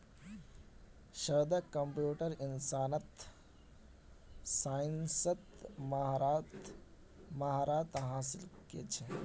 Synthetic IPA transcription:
ʃɐɾd̪ɐkɐmpjuːʈəɾɪnsaːnɐt̪ | saːɪnsət̪mt | maɦaːɾaːt̪ɦaːsɪlkḛt͡ʃʰe

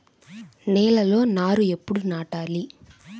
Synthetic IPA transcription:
nɛːlɐlo̞ːnaːɾue̞pːuɽunaːʈaːli

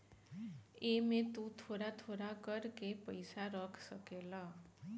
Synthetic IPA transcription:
emẽt̪ũt̪ʰoɾat̪ʰoɾakəɾkepəjsaɾəkʰsəkela

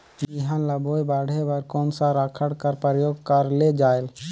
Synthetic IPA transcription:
jiɦãnləboːjbaːɽebəɾkoːnsaɾakʰəɽkəɾpəɾjoːɡkəɾled͡ʒaːel

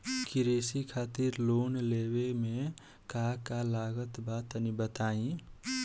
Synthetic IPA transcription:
kiɾeːsikʰaːt̪iɾloːnlewemẽ | kakalaːɡət̪baːt̪ənibət̪aːĩ

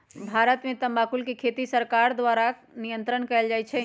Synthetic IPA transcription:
bʱaɾət̪mẽt̪əmbakulkekʰet̪isəɾkaɾd̪ʋaɾa | nijənt̪ɾənkɛɪld͡ʒajt͡ʃʰɛ

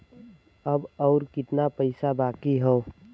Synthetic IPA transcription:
ɐbɔːɾkɪt̪napəɪsabaːkiɦoː

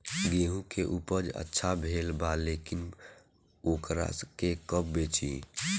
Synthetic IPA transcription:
ɡeːɦũkeʔupəd͡ʒə̰tːʃʰabʱeːlbalekin | oːkɾa̰kekəp̚beːt͡ʃḭ

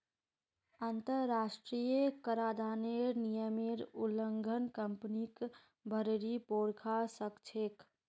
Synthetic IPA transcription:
ənt̪əɾːaːʃʈɾijəkəɾaːd̪ʱaːneɾnijəmeɾuləŋɡʱənkəmpnik | bʱəɾɾipoːɾkʰasəkt͡ʃʰeːk

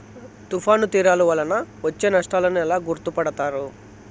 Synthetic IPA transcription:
t̪upʰaːnut̪iːɾaːluʋɐlːɐnɐʋɐt͡ʃːe̞ːnɐʂʈaːlɐnuɛlaːɡuɾt̪upɐɽɐt̪aːɾu

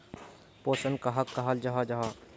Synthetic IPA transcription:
poːsənkaɦɐkːaɦald͡ʒaɦad͡ʒaɦaː

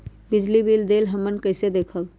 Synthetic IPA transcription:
bɪd͡ʒlibild̪eːlɦəmːənkəɪsed̪eːkʰəl

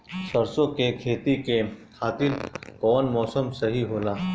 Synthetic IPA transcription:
sɐɾsõkekʰeːt̪ikekʰaːt̪ɪlkɔːnmɔːsəmsɐɦiɦoːlaː

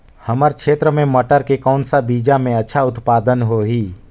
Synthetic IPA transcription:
həməɾkʃeːt̪ɾəmẽmɐʈəɾkekɔːnsabiːd͡ʒamẽɐtːʃʰaʊt̪paːd̪ənɦoɦiː

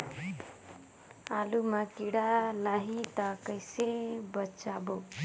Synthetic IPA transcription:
aːlumakiɽalaːɦit̪akəjsebət͡ʃaːbo

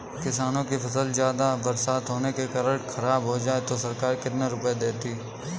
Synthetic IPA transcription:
kɪsaːnõkipʰɐsəlzjaːd̪abɐɾsaːt̪ɦoːnekekɐɾəʈkʰɐɾaːbɦod͡ʒaːet̪osɐɾkaːɾkɪt̪neɾʊpjed̪eːt̪iː

